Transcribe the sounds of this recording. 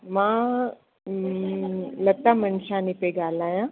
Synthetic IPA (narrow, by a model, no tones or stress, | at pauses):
mã | lɐt̪ːamənʃaːnipeɡaːlaːjã